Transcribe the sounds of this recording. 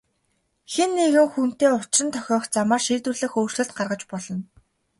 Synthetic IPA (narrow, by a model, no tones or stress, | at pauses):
xenːeɣɘ̆ŋxun̥t̪eːʊt͡ɕrɪ̆nt̪ʰœxʲɔːχt͡samaːrʃirt̪wŭrɮɘ̆xoːr̥sɘ̆ɬt̪̚ɢarʁə̆t͡ɕpɔɮɞ̆n